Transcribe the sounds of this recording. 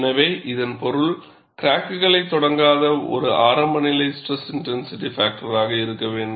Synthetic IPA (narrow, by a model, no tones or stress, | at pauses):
nɐʋeːʔɪðɐnpɔɾɯɭ | kɾaːkːɯɣɐɭɐɪt̪ːɔɽɐŋɡaːðɐɔ̰ɾɯʔaːɾɐmbɐnɪlɐɪsʈrɛsɪnʈɛnsɪʈifaːk̚ʈɐɾaːɣɐɪɾɯkːɐʋeːɳɖ